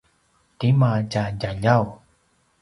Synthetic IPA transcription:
t̪imad͡ʒad͡ʒaʎaw

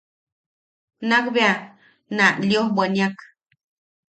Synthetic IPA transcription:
nakbea | naljohbʷanjak

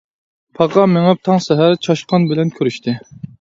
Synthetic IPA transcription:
pʰɑqɑmeŋɛp̚t̪ʰɑŋsɛɦæɾt͡ʃʰɑʃqɑnbɪlɛnkʲʰøɾyʃt̪ʰɪ

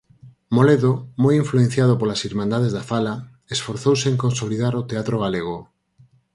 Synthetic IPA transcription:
moleðomojiɱfluen̟θjað̞opolasiɾmãnd̪að̞ezðafala | esfoɾθowseŋkõnsoliðaɾot̪eat̪ɾoɣaleɣ̞o

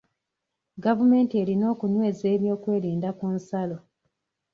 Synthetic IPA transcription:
ɡavume̞ːntie̞ːɾino̞ːkunwe̞ːze̞ːβjo̞ːkwe̞ːɾiːndakunsalo̞

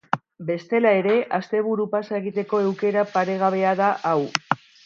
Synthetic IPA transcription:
be̞st̪e̞lae̞ɾe̞ʔast̪e̞βuɾupasae̞ɣit̪e̞ko̞ewke̞ɾapaɾe̞ɣ̞aβ̞e̞aðaʔaw

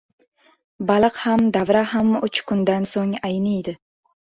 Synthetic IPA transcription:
balˠɨqhamd̪avɾahamʊt͡ʃkʊnd̪ansoŋajnɪjd̪ɪ

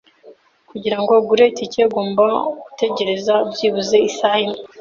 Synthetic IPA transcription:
kuɟiɾaŋɡo̞ɡuɾe̞tice̞ɡoːmbaɡute̞ɟe̞ɾe̞zabɟiːβuze̞isahim

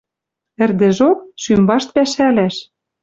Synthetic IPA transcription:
ɘ̆rd̪ɘ̆ʒok̚ʃymbɑʃt̪̚pæʃælæʃ

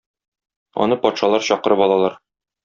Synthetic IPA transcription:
ɒ̰nɤpɒt̪ʃɑlˠɑɾɕɒqɤ̆ɾɤpɒlˠɑlˠɑɾ

